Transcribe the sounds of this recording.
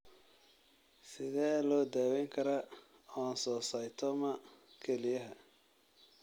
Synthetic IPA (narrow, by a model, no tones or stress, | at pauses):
sɪðɛːlɔːd̪aːwɛŋkʰɐɾɐ | ɔːnsɔːsɐjt̪ʰɔmɐkʰɛlɪjɐɦɐ